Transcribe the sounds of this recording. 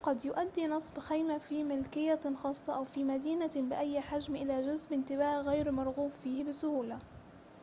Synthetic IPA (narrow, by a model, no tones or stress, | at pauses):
qɑd̪jʊʔad̪ːiːnɨsˤbxajmafiːmɪlkɪjːaxɑːsˤːɑʔawfiːmad̪iːnabɪʔajːħad͡ʒmʔɪlaːʒʊzmʔɪnt̪ɪβaːʔɣajɾmɑɾˤɣuːfːiːhbɪsʊhuːla